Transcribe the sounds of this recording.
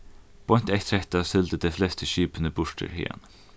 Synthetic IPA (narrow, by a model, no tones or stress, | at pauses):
b̥ʰɔn̥t̪ɛht̪ʰɾɛht̪asɪld̪əd̪eflɛst̪ʰəʃyːpənəbʊʂʈə̰ɾhɪ̰ːa̰n